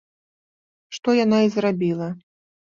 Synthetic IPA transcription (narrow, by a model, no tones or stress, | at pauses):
ʂt̪ɔjanaizrabʲilˠɐ